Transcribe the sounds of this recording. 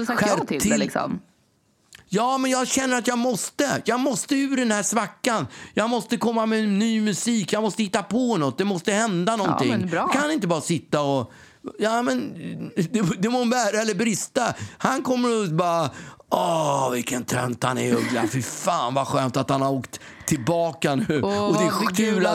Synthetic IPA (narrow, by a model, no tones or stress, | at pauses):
ɧæɾʰɪlsɔ̰m | jɑːmɛnjɑːɡɕɛnːəɾat̪jɑːɡmɔst̪əjɑːɡmɔst̪əʉ̟ːɖɛnhæːʂvakːanjɑːɡmɔst̪əkʰɔmːamɛnyːmɵsiːkjɑmɔst̪əhɪt̪ːapʰɔnɔt̪̚ːd̪ɛmɔst̪əhɛnd̪anɔnt̪ʰɪ̰ŋːkʰananɪnt̪̬əbɑːɾasɪt̪ːaɔ | jɑmɛnd̪ɛd̪ɛmonbæːɾaɛlːəɾbɾɪst̪ahankʰɔmːəɾbɑːɾaɔvɪlkənt̪ʰɾœ̰nt̪ha̰nɛ̰ɵɡla̰fɪɾfaːnvaɧøːmt̪at̪hanhaɾoːkt̪ʰː | ɪlbɑːkanʉːɔd̪ɛʉːla